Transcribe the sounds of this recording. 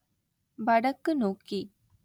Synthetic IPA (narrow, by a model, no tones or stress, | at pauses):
bɐɽəkːnoːki